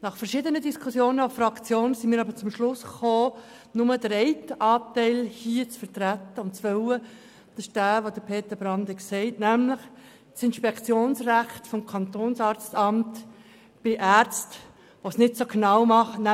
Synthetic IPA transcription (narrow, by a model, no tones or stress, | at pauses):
nɑχfəɾʃɪdənədiskʰusjoːnəofrɑkt͡sjoːnsimiːɾɑbət͡sʊmʃlʊsχoː | nʊmədɾɛɪtʔɑːtɛɪlhiːət͡sfəɾtɾæt̪ːəʊnt̚t͡sʋœwə | d̥ɑʃd̥æːʋod̥̪əpʰeːt̪əbɾɑndɪksɛɪtnæmlɪχ | t͡sɪnʃpɛkt͡sjoːnsræχtfɔmkʰɑnt̪oːnsɑːɾt͡stɑmt | b̥ɪʔæːɾt͡st | ʋosnɪtsoɡnɑʊmɑχnæ